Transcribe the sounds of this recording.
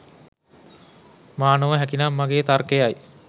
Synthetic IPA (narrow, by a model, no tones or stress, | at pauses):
maːnəʋəɦækinamːaɡeːt̪arkejaj